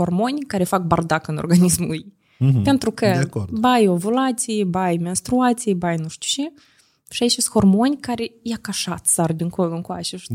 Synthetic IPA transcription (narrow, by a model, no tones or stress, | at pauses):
o̞rmo̞nʲkaɾe̞fak̚bard̪akɨnorɡanismuluj | pe̞nt̪ɾukəkordbajovulat̪sijebajmenst̪ɾuat̪sijebajnuʃt̪ʲu̥wt͡ʃe | ʃiait͡ʃesʲxo̞rmo̞nʲkaɾe̞jakaʃat̪sard̪iŋkolɨŋkwa̰ʃe